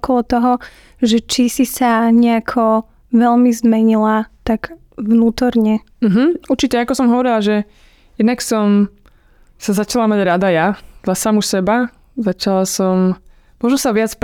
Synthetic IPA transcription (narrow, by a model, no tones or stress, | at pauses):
kɔlɔt̪ɔɦɔ | ʒɛt͡ʃisisaɲɛakʰɔ | ʋɛʎmizmɛɲilat̪aɡ | ʋnuːt̪ɔɾɲɛ | m̩ɦm̩uɾt͡ʃicɛakɔsɔmɦɔʋɔɾilaʒɛ | jɛd̪naksɔm | sazat͡ʃalamaɟɾad̪ajad̪lasamusɛba | zat͡ʃalasɔm | mʊɔʒnɔsaʋɪat͡sp